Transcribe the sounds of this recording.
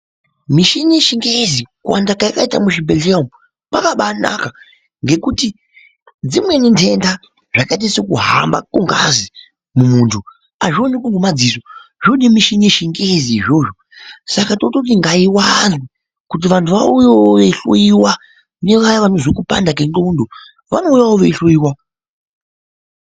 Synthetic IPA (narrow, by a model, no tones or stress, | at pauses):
miʃinieʃiŋɡezikuwa̰ndakajakaitamuʃibeɮiam | pakaɓana̰ka | ŋɡe̞kuti | d͡zimwe̞nintʰe̞nda | ʐakait̬asokuɦa̰mba̰kuŋɡa̰zi | mumuːntʰu | aʐionek̬uŋɡemad͡zisoʐoɗimiʃiɲeʃiŋɡeziiʐo̞ːʐo | sakatotot̬iŋɡaiwanzwi | kut̬iʋantʰuʋaujooʋeɬoiwa | ne̞ʋajaʋano̞zokupa̰ndak̬enondo | ʋano̞ujaoʋeɬoiːwa